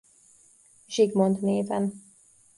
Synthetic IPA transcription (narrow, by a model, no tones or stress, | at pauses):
ʒiɡmont̪neːvɛn